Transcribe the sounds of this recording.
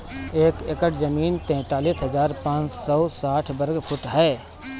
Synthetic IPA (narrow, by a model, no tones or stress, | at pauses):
eːkɪkəʈzɐmiːnt̪ɛ̃ːt̪aːliːsɦɐzaːɾpãːt͡ʃsɔːsaːʈʰbɐɾɡfʰʊʈɦɛː